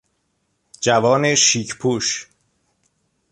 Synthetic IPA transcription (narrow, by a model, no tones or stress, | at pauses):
d͡ʒævɒːne̞ʃiːcʰpʰuːʃ